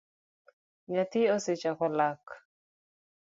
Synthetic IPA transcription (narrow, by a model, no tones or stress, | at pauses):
ɲat̪iɔset͡ʃakɔlak